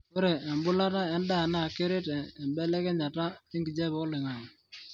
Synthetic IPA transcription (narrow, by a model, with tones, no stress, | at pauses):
ko˦ɾɛ˨ɛ˨mbʊ˦la˦ta˦ɛ˦nda˦˨na˦˨ke˦ɾe˦tɛː˨mbɛ˦lɛ˦kɛ˦ɲa˨ta˦i˦ŋɡi˨d͡ʒɛ˦bɔ˦lɪ˨ŋa˨ŋ˨